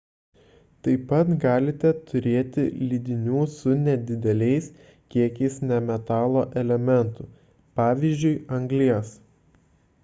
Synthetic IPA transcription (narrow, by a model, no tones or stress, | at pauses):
t̪ɐɪpɐt̪ɡɑːlʲɪt̪ʲɛt̪ʰʊɾʲeːt̪ʲɪlʲid̪ʲɪnʲuːsʊnʲɛd̪ʲɪd̪ʲɛlʲɛɪs | kʲiɛkʲɛɪsnʲɛmʲɛt̪ɑːlˠoːʔɛlʲɛmʲɛnt̪ʊ | pɑːʋʲizʲd͡ʒʲʊɪɐŋɡlʲiɛs